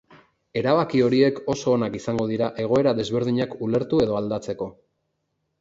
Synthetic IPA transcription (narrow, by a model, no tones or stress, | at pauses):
e̞ɾaβakio̞ɾie̞ko̞so̞ːnakisaŋɡo̞ðiɾaʔe̞ɣ̞o̞e̞ɾaðe̞zβe̞ɾð̞iɲakule̞ɾt̪ue̞ðo̞ald̪at͡se̞ko̞